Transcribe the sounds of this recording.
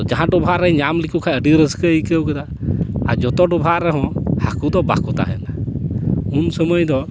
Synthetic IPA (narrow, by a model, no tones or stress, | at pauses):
d͡ʒaɦãɖɔbʱaɾəjɲamlikʰukʰajəɖiɾəskəəjkəwkɛd̪a | ad͡ʒɔt̪ɔɖɔbʱaɾɛɦɔ̃hakud̪ɔba̰kɔt̪a̰ɦɛ̰na | unsəməjd̪ɔ